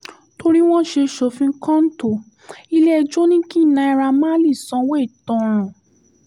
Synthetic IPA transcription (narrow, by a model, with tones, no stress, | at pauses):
to˧ɾi˦w̃ɔ̃˦ʃe˧ʃo˧fĩ˦ŋ̩˦kã˦n̩˦to˦˨ | i˧le˦ɛ˧d͡ʒo˦nĩ˦ki˦˨nã˧˦i˧ɾa˧mã˦li˦˨sɔ̃˧˦we˦˨tɔ̃˧˨